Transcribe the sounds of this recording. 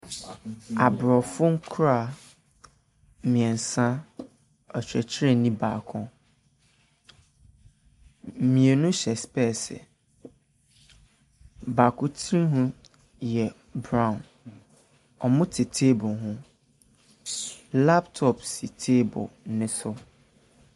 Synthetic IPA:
a˨bɾɔ˨fʊ˦ŋ̩˦kʰɾa˨ | mĩ˨ɛ̃˨n̩˨sã˦ | ɔ˨t͡ɕᶣɾɛ˨t͡ɕʰɪ˦ɾe˦nĩ˦baː˨kʰɔ̃˦ | mĩ˨e˨nʊ̃˦ɕɛ˨spɛ˦˨sɛ̰˨ | ba˨kʰʊ˦tʰɾĩ˦ɦʊ̃˦ | jɛ˨ | bɾã˦˨ʊ̃˨n | ɔ˨mʊ̃˦tʰɪ˨tʰe˦bʊ˨ɦʊ̃˦ | la˦ptʰɔ˨psi˨tʰe˦bʊ̰˨˦nɪ̃˦sʊ˦

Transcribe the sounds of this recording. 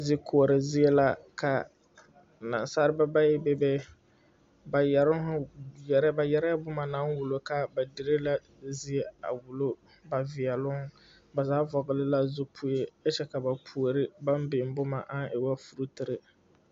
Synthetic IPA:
zɪ˦kʰo˨o˨ɾɨ˨zɪ˦e˦la˦ka˨ | na̰˨nsa˦ɾɨ˦ba˦ba˦jɪ˦bɛ˦bɛ˦ | ba˨jɛ˨ɾʊ˦ŋ˦ʊ˦jɛ˨ɾa˦ba˨jɛ˦ɾa˦ja˦bʊ˦ma˨na˦ŋwʊ˨lo˨ka˦ba˨di˨ɾɨ˦la˦ | zi˦e˦a̰˨wʊ˨lo˦ | ba˨vɪ˨ɛ˨lʊ˦ŋ˦ | ba˨zaː˨˦vɔ˨ɡɨ˨lɨ˦la˦zʊ˦pʰʊ˦je˦ɛ˦t͡ʃɛ˦ka˨ba˨pʰu˨o˨ɾɪ˦ba˦m˦bɪ˨m˦bʊ˦ma̰˨ʔa˦nɪ˨wa˦fu˨ɾu˦tɨ˨ɾɨ˨

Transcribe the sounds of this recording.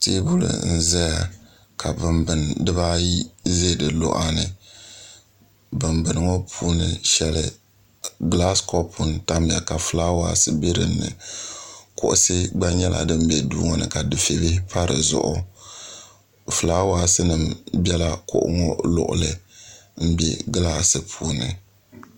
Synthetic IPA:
te˦bu˦lɨ̰˨n̩˦zɛ˦ja˨ | kʰa˨bɨ˨mbɨ˨ndɨ˦βa˦ji˦ze˦˨dɨ˨lʊ̰˦ʔa˦nɨ˨ | bɨ˨mbɨ˨nɨ˨ŋɔ˦pʰuː˦nɨ˨ʃɛ˦lɨ˨ | ɡla˦skɔ˦pʰʊ˨nta˦mi˨a˨ka˨fɨ˨laː˦wa̰ː˦sɨ˦be˦ɾɨ˨nːɨ̰˨ | kʊ˦ʔʊ̰˦sɨ˦ɡ͡ba˦ɲɛ˦lʔa̰˨dɨ˦m˦bɛ˨dṵː˦ŋɔ˦nɨ̰˨ka˨dɨ˨fe˨bɪ˦pa˦ɾɨ˨zʊ̰˨ʔʊ˦ | fɨ˨laː˦waː˦sɨ˦nɨ˨mbɛ˦la˦kʊ̰˦ʔʊ̰˦ŋɔ˦lʊ̰˦˨ʔʊ̰˨lɨ˨m̩˦bɛ̰˦ɡlaː˦sɨ˨pʰuː˦nɨ̰˨

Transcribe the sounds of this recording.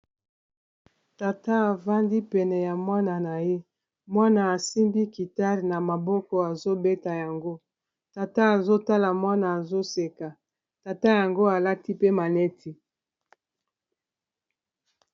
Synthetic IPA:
ta˨ta˦a˨va˦ndi˦pɛ˨nɛ˨ja˨mwa˦na˨na˨je˦ | mwa˦na˨a˨si˦mbi˦ki˨ta˦ʁna˨ma˨bɔ˦kɔ˨a˨zo˦be˦ta˨ja˨ŋɡo˦ | ta˨ta˦a˨zo˦ta˦la˨mwa˦na˨a˨zo˦se˨ka˨ | ta˨ta˦ja˨ŋɡo˦a˨la˦ti˦pe˦ma˨nɛ˦tʰi˨

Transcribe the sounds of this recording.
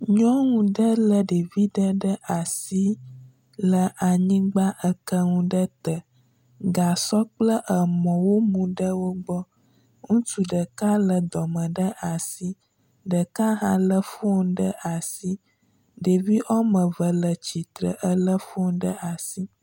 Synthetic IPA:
ɲɔ̃˦ŋũ˨ɖə˦lə˨ɖe˨vi˦ɖə˦ɖə˦ʔa˨si˦ | lə˨ʔa˨ɲĩ˦ɡ͡ba˦ʔə˦kə˦ŋũ˦ɖə˦t̪ə˨ | ɡa˨sɔ˦k͡plə˦ʔə˨mɔ̃˨wo˦mũ˨ɖə˦wo˦ɡ͡bɔ˦ | ŋũ˦tu˨ɖə˨ka˦lə˨d̪ɔ˨mə̃˨ɖə˦ʔa˨si˦ | ɖə˨ka˦ɦã̰˦lə˦fo˦ɖə˦ʔa˨si˦ | ɖe˨vi˦ʔɔ˦mə̃˨və˨lə˨t͡ɕi˨t̪ɾə̰˨ʔə˦lə˦fo˦nɖə˦ʔa˨si˦

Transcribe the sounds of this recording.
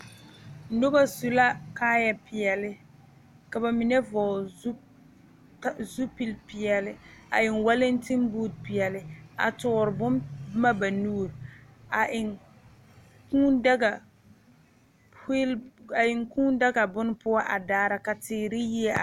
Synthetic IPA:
nʊ˦ba˦su˨la˦kaː˦ja˦˨pɪ˨ɛ˨lɪ˦ | ka˨ba˨mi˨nɛ˦vɔː˨˦ | zu˦pi˦lpɪ˨jɛ˨lɪ˦a̰˨ɪ˨nwa˦lɪ˦ntɪ˦mbu˦d̚pɪ˨ɛ˨lɪ˦a̰˨tʊ˨ɾɪ˨bʊ˦mma˦ba˨nuː˦˨ɾa˨ɪ˨ | ku˦dɡa˨˦ | la˨ɪ˨ŋkuː˦n˦da˦ɡa˨bʊ˦n˦pʊ˦a˦ʔa˨daː˦ɾa˦ka˨tɪː˨ɾɪ˦ji˦ɛ˦a̰˨

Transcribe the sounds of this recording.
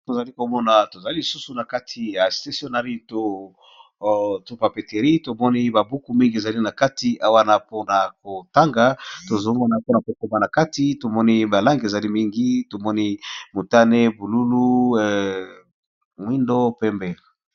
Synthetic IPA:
to˨za˨li˦ko˨mɔ˦na˨to˨za˨li˦li˨su˦su˨na˨ka˦tʰi˨ja˨sta˨sjo˦na˨ʁi˦to˦ | to˦pa˨pe˨te˨ʁi˦to˨mɔ˦ni˦ba˨bu˦ku˨mi˦ŋɡi˦e˨za˨li˦na˨ka˦ti˨ʔa˦wa˦na˦po˦na˨ko˨ta˦ŋɡa˨to˨zo˦mɔ˦na˨po˦na˨ko˨ko˨ma˨na˨ka˦ti˨to˨mɔ˦ni˦ba˨la˦ŋɡe˨za˨li˦mi˦ŋɡi˦to˨mɔ˦ni˦mo˨ta˦ne˦bu˨lu˦lu˦ɛ | ŋwi˦ndo˦pɛ˦mbɛ˨

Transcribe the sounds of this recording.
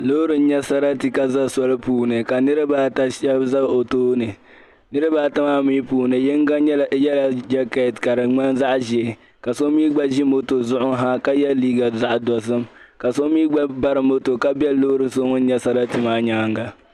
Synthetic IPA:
lo˦ɾɨ˨n̩˦ɲɛ˦sa˦ɾa˦ti˨ka˦za˦sɔ˦lɨ˦puː˦nɨ˨ka˨nɨ˦ɾɨ˦baː˦ta˦ʃɛ˦bza˦˨o˨toː˦nɨ˨ | nɨ˦ɾɨ˦baː˦ta˦maː˦miː˦puː˨nɨ˨jɪ˦ŋ˦ɡa˦ɲɛ˦la˨˦jɛ˦la˨d͡ʒa˦ka˦˨tka˨ɾɨ˨ŋ͡ma˦nza˦ʔʒɛ˨ | ka˨so˦miː˦ɡ͡ba˦ʒi˦mo˦to˨zʊ˦ʔʊ˦ŋɦa˦ka˦jɛ˦lliː˦ɡa˨za˦ʔdɔ˨sɨ˦mka˨so˦miː˦ɡ͡ba˦ba˦ɾɨ˨mo˦to˨ka˦bɛ˦lo˦ɾɨ˨so˦ŋʊ˦n̩˦ɲɛ˦sa˦ɾa˦tɨ˨maː˦ɲaː˦ŋɡa˨

